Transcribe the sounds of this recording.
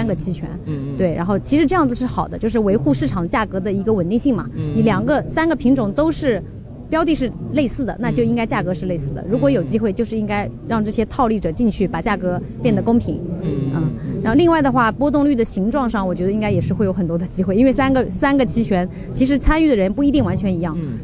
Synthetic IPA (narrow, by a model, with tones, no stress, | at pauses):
nɡə˨t͡ɕʰi˧˥t͡ɕʰɥɛ̰˧˥nt̪we˥˩ɪɻa̰˧˥nxo˥˩ʊt͡ɕʰi˧˥ʂɻ̩˧˥ʈ͡ʂɤ˥˧jɑ˥˩ŋd͡zɹ̩˩ʂɻ̩˥˩xɑ˨˩ʊd̪ə˦t͡ɕjo˥˧ʊʂ̬ɻ̩˥˩we˧˥ɪxu˥˧ʂɻ̩˥˩ʈ͡ʂʰɑ˨˩ŋ˦t͡ɕja˥˩kɤ˧˥d̪ə˧˨i˧˥ɡə˧wə˨˩nt̪i˥˧ŋɕi˥˩ŋmɐ̰˩ni˧˩ljɑ˨˩ŋɡə˦sa˥nɡə˨˩pʰi˧˥ŋʈ͡ʂʊ˨˩ŋt̪o˥ʊʂɻ̩˥˩ | pjɑ˥ʊt̪̬i˥˧ʂ̬ɻ̩˥˩le˥˧ɪsɹ̩˥˩d̪ə̰˩na˥˧t͡ɕjo˥˧ʊi˥ŋka˥ɪt͡ɕja˥˩kɤ˧˥ʂɻ̩˥˧le˥˧ɪsɹ̩˥˩d̪ə̰˩ɻu˧˥kwɔ˧˥jo˨˩ʊt͡ɕi˥xwe˥˧ɪt͡ɕjo˥˧ʊʂɻ̩˥˩i˥ŋka˥ɪɻɑ˥˧ŋʈ͡ʂɤ˥˩ɕjɛ˥t̪ʰɑ˥˧ʊli˥˩ʈ͡ʂɤ˨˩t͡ɕi˥˧ŋt͡ɕʰy˥˩pa˨˩t͡ɕja˥˩kɤ˧˥ | pjɛ˥˩nd̪ə˩kʊ˥ŋpʰi˧˥ŋə˥˩a˧˥nxli˥˧ŋwa˥˩ɪd̪ə˩xwa˥˩pwɔ˥t̪ʊ˥˧ŋly˥˩d̪ə˩ɕi˧˥ŋʈ͡ʂwɑ˥˧ŋʂɑ˥˩ŋwɔ˨˩t͡ɕɥɛ˧˥d̪i˥ŋka˥ɪjɛ˨˩ʂɻ̩˥˩xwe˥˩jo˧˥ʊxə˨˩nt̪wɔ˥d̪ə˧t͡ɕi˥xwe˥˧i˥nwe˥˩ɪsa˥nɡə˨sa˥nɡə˨t͡ɕʰi˧˥t͡ɕʰɥɛ˧˥n | t͡ɕʰi˧˥ʂ̬ɻ̩˧˥t͡sʰa˥ny˥˩d̪ə˩ɻə˧˥npu˥˩i˧˥t̪i˥˩ŋwa˧˥nt͡ɕʰɥɛ˧˥ni˧˥jɑ˥˩ŋ